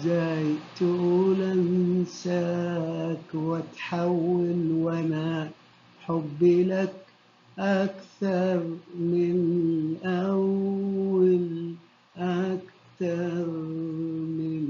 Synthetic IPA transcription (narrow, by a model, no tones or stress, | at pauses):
zaːjt̪ʊʔulansaːkwɪt̪ħawːɪlwana | ħʊbːɪlak | ʔakθɑɾˤmɪnʔawal | ʔak | t̪ɑɾˤ | mɪn